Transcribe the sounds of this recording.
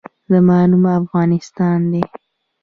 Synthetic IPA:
zəmɑnumafɣɑnɪst̪ɑnd̪e

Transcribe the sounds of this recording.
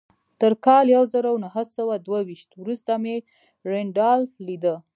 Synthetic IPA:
t̪əɾkɑljawzəɾawnaɦəsawad̪wawiʃt̪wɾust̪ame | ɾeɳɖɑlːid̪ə

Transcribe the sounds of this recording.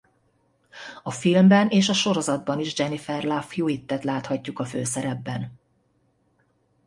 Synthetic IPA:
ɒfilmbɛneːʃɒʃo̞ɾo̞zɒd̪̚bɒniʒd͡ʒɛnifɛrlafjuːit̪ːɛt̪laːt̪hɒcːukɒfø̰ːsɛɾɛbːɛn

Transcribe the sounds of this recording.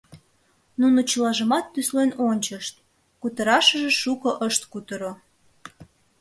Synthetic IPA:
nunot͡ɕəlɑʒəmɑt̪ːyslenonʲt͡ɕəʃt̪̚ | kut̪əɾɑʃəʒeʃukoʔəʃt̪kut̪əɾo

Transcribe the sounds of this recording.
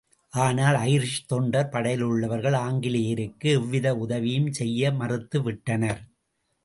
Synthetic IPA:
ʔaːnaːlɐjɪɾʂt̪ɔɳɖɐɾpɐɽɐjɪlɯɭːɐʋɐɾɣɐɭaːŋɡɪlɪjɪɾɯkːɯɪʋːɪðɐʊðɐʋɪjɯmsɛjːɐmɐrɯt̪ːɯʋɪʈːɐnɐɾ

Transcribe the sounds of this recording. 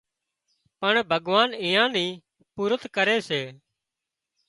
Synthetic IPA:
pəɳbʱəɠʋaːnĩːjãːnĩː | puːɾət̪kəɾeːseː

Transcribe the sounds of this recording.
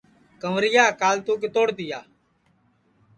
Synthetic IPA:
kəmɾɪjaːkaːlt̪uːk̬et̪oːɽt̪ɪjaː

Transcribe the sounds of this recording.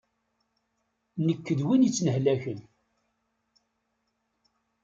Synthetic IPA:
nəkːəðwinjət͡sːnəhlæçən

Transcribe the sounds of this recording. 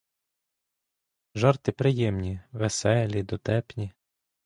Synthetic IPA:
ʒɑrt̪ɪpɾɪjɛmnʲiʋesɛlʲid̪ɔt̪ɛpnʲi

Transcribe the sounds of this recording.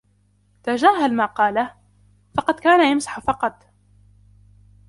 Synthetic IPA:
t̪ad͡ʒaːɦalmaːqɑːlah | fɑqɑd̪kaːnajamsḁħfɑqɑt̪ˤ

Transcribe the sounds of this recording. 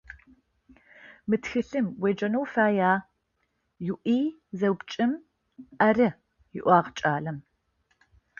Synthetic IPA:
mɨtxɨɬɨmweːd͡ʒɐnowfaːjaː | juʔiː | zɐwbt͡ʃʼɨm | ʔɐrɨ | jɪʔʷɑːʁt͡ʃʼaːɮɐm

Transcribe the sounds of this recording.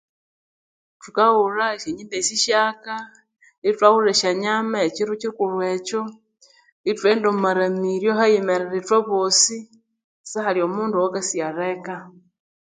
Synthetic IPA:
tukauraiʃeɲimdesiʃaka | itwaɣuɾeʃaɲamaet͡ʃiɾut͡ʃiukulwe̞t͡ʃo | itweːndomaɾamiɾjoxajemeɾeɾitoβosi | saxaliomuːnduwakasiaɾeka

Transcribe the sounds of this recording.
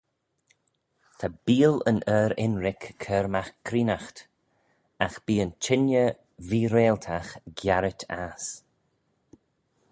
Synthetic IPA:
tʰabiːlə̰nəːɾɪ̰nɾɪkʰːəːɾmaxkʰɾiːnaxt̪ | axb̥iːənt͡ʃʰɪnjə | viːɾeːlt̪ʰaxɡjaɾɪtʰas

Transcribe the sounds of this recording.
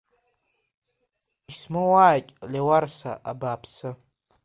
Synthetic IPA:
ismowaːkʲʼlewarsa̰ʔabaːpʰsɨ

